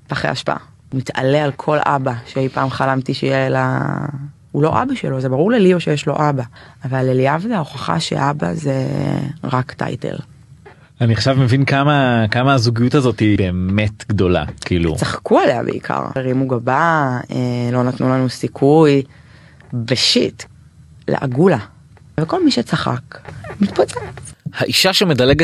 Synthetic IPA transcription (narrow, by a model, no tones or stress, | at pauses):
paχḛa̰ʃpa̰ʔa̰ | umita̰le̞alkʰo̞lʔa̰baʃeejpaːmχalamtiʃejela | ulo̞ʔa̰baʃḛlo̞zebaʁuʁlelio̞ʃejeʃlo̞̰ʔabaːvalːeliavzaoχaχa̰ʃḛʔaba̰zeʁakta̰jtḛl | aniχaʃavmevinkamakamaːzuɡijutazo̞tibeːmmetɡdo̞la̰kiiːlṵt͡saχkuale̞a̰bḛḭkʰa̰ʁeʁimuɡabaelo̞natnulanusikʰuj | beʃit | lḛʔa̰ɡula | veko̞lmiʃet͡saχa̰kmit̪pot͡sehaʔiʃaʃemedaleɡ